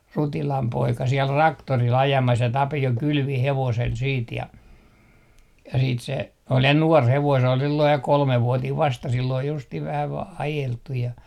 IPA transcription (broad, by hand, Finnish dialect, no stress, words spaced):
rutilɑm poikɑ siel rɑktoril ɑjɑmɑs jɑ tɑpio kylʋi heʋosel siːt jɑ jɑ siːt se ol jɑ nuɔr heʋoin se ol silːoij jɑ kolmeʋːuɑtiːʋ ʋɑstɑ silː ol justih ʋæhæ ʋɑː ɑjeltˑuj jɑ